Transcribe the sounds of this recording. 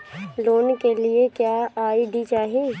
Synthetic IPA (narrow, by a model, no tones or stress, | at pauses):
loːnkeliekjaːaːiɖit͡ʃaːɦie